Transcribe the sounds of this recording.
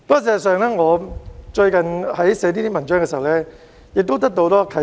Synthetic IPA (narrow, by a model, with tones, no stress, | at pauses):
pɐː˥˨s̬ɛː˧˨s̬œː˨ŋlɛː˥ŋɔː˨˧t͡ʃɵ˧ɥkɐ˨nhɐ˨˥jsɛː˨˧t̪iː˥t̪i˥mɐ˨˩nt͡ʃœː˥ŋkɛː˧si˨ɐ˨˩wlɛː˦˥ | jɪ˨k̚t̪wt̪ɐ˥k̚t̪o˧wt̪ɔː˥˧kʰɐ˨˥